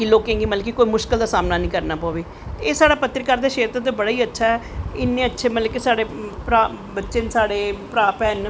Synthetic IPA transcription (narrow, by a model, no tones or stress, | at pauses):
kiloːkẽːŋɡiːmələkikoːiːmʊʃkəld̪aːsaːmnaːnĩːkəɾnaːpoːʋeː | eːsaːɽaːpət̪ɾəkaɾd̪eːʃeːt̪ːt̪̬oːbəɽaːiːətːʃʰaːɦɛːɪnːẽːətːʃʰeːmət̪ləkesaːɽeːpɾaː | bətːʃeːnsaːɽeːpɾaːpɛːn